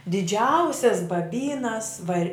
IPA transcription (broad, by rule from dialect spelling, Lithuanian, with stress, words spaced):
dʲɪˈd͡ʒʲɛʊsʲɛs bɐˈbʲiːnɐs ʋɐˈrʲɪ